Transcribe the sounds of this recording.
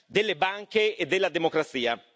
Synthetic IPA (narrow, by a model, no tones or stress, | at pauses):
d̪elːebaŋkeed̪ːelːad̪emokɾat̪siːa